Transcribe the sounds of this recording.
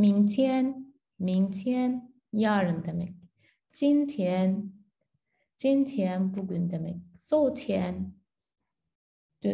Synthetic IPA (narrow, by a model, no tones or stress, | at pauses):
miŋtʰjɛn | miŋtʰjɛn | jaɻəŋt̪əmḛk̚ | t͡ɕint̪ʰjɛn | t͡ɕint̪ʰjɛnpukynt̪əmḛk̚soʊt̪ʰjɛn | t̪e